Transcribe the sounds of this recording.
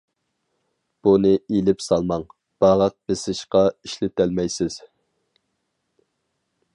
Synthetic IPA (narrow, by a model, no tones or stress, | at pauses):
b̥unɨilɪpsɑlˠmɑŋ | b̥ɑʁɑq̚bɪsɪʃqɑiʃlɪt̪ʰælmɛjsɪz̥